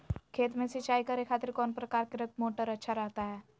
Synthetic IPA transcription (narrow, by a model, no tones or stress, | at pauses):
kʰeːt̪mẽsɪt͡ʃaːikɐɾekʰaːt̪ɪɾkɔːnpɾɐkaːɾkeɾɐk̪̚moːʈəɾɐtːʃʰaɾɐɦt̪aɦɛː